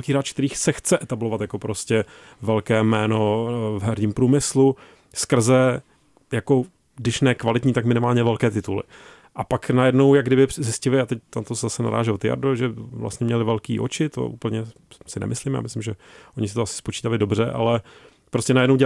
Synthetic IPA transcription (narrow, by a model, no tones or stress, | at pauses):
lkiːɾaːt͡ʃkt̪ɛɾiːxt͡sɛxt͡sɛʔɛt̪ablovat̪jako̞pɾo̞scɛ | vɛlkɛːmɛːnovɦɛɾɲiːmpɾuːmɪslu | skr̩zɛ | jako | dɪʃnɛkvalɪt̪ɲiːt̪akmɪnɪmaːlɲɛvɛlkɛːt̪ɪt̪ulɪ̰ | ʔapaknajɛdno̞wjaɡdɪbɪzɪscɪlɪat̪ɛc̚t̪at̪oszasɛna̰ɾa̰ːʒɛlot̪ɪja̰ɾdoʒɛvla̰st̪ɲɛmɲɛlɪvɛlkḭːʔo̰t͡ʃɪt̪o̰ʔṵːpl̩ɲɛ | sɪnɛ̰mʔɪsliːmja̰mɪslɪmʒɛʔoɲɪsɪt̪oasɪ̥spot͡ʃiːt̪alɪdo̞br̝ɛʔa̰lɛ | pɾoscɛnajɛdnowɟɛ